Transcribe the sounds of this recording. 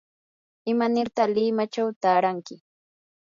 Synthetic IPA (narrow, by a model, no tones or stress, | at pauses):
ɪmanɪɾt̪alɪmat͡ʃawt̪aːɾaŋkɪ